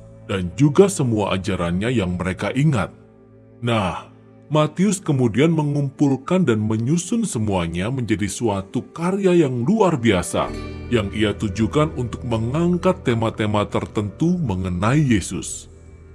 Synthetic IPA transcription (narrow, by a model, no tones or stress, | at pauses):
d̥and͡ʒuɡasəmuaʔa̰d͡ʒaɾanɲajaŋməɾekaʔiŋa̰t̪̚ | nah | mat̪iʊskəmudianməŋumpulkandanməɲusʊnsəmuaɲaməɲd͡ʒadisuat̪ukarjajaŋluarbiasa̰jaŋʔiat̪ud͡ʒukanunt̪ʊk̚məŋaŋkat̪ːemat̪emat̪ərt̪ənt̪uməŋənaijesʊ̰s